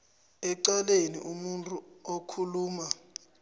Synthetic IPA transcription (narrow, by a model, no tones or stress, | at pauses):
ɛǀalenḭʔumuntʼuokʰuluːma